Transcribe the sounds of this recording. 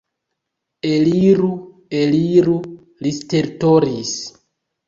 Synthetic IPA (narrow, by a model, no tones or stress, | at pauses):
eliɾu | eliɾu | listeɾtoɾis